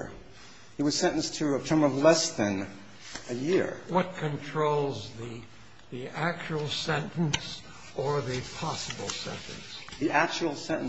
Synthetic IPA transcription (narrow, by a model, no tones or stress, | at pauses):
ɨt̚wʌz̥sɛ̃ñn̩stʰɨətʰɜ̃˞mʌvlɛsðɨ̃n | ɨjɪɹwʌt̚kʰɨ̃ntʰɹ̥oʊlˠzði | ðiæk̚t͡ʃul̩ˠsɛ̃ntns | ə˞ðɨpʰɑsəbl̩ˠsɛ̰̃ntɨ̰̃nsðiʔæk̚t͡ʃul̩ˠsɛ̃ɾ̃n